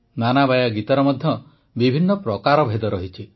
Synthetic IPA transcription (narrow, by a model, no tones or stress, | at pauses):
nanabajaɡit̪ɔɾɔmɔd̪ʱjɔ | bibʱinːɔpɾɔkaɾɔbʱed̪ɔɾɔɦit͡ʃʰi